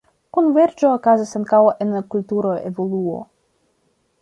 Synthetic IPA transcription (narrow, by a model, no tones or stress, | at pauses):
kunve̞ɾd͡ʒoːkazisaŋkawoʔenlakultuɾoevo̞luo̰